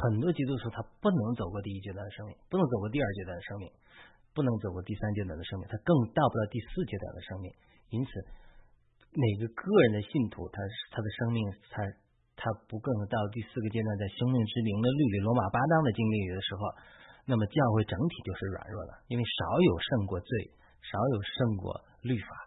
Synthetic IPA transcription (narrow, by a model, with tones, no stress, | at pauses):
xə˨˩nt̪wɔ˥t͡ɕi˧˥u˥ʈ͡ʂʰu˧˥t̪ʰa˥pu˥˩nɤ˧˥ŋt͡so˨˩ʊkwɔ˥˧t̪i˥˧i˥t͡ɕɥɛ˧˥d̪wa˥˩nd̪ə˩ʂɤ˥ŋmi˥˩ŋpu˥˩n˧˥ŋt͡so˨˩ʊkwɔ˥˧t̪i˥˧ɐ˞˥˩t͡ɕɥɛ˧˥d̪wa˥˩nd̪ə˩ʂɤ˥ŋmi˥˩ŋ | pu˥˩nɤ˧˥ŋt͡so˨ʊkwɔ˥˧t̪i˥˩sa˥nt͡ɕjɛ˧˥wa˨˩nd̪ə˩ʂmĩ˥˨t̪ʰa˥kɤ˥˧ŋt̪ɑ˥˧pt̪ɑ˥˧ʊt̪i˥˧sɹ̩˥˩t͡ɕjɛ˥t̪wa̰˨˩nd̪ə˦ʂɤ˥ŋmi˥˩ŋ | i˥nt͡sʰɹ̩˨˩˦ | ne˨˩ɪɡə˦kɤ˥˩ɻə˧˥nd̪ə˧ɕi˥˩nt̪ʰṵ˧˥t̪ʰa˥t̪ʰa˥d̪ə˨ʂɤ˥ŋmi˥˩ŋt̪ʰa˥ | t̪ʰa˥pu˧˥kɤ˥˧ŋt̪ɑ˥˧ʊ˧t̪̬i˥˧sɹ̩˥˩ɡə˩t͡ɕjɛ˥˧t̪wa˧nt͡sa˥˩ɪɕɤ˥ŋmi˥˩ŋʈ͡ʂɻ̩˥li˧˥ŋd̪ə˧ly˥˧li˥˩lwɔ˧˥ma˨˩pa˥t̪ɑ˥ŋd̪ə˨t͡ɕi˥ŋli˥˩y˨˩d̪ə˦ʂɻ̩˧˥xo˧ʊna˥˩mə˩t͡ɕjɑ˥˧ʊxwe˥˩ɪʈ͡ʂɤ˧˥ŋt̪ʰi˨˩t͡ɕjo˥˧ʊʂɻ̩˥˩ɻwa̰˨˩nɻwɔ̰˥˩lə̰˩i˥nwe˥˩ɪʂɑ˧˥ʊjo˨˩ʊʂɤ˥˧ŋkwɔ˥˧t͡swe˥˩ɪ | ʂɑ˧˥ʊjo˨˩ʊʂɤ˥˧ŋkwɔ̰˥˧ | ly˥˩fa̰˨˩˦